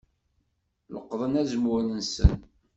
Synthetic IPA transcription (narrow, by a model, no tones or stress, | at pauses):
lə̰qːðˤənæzəmlənsə̰n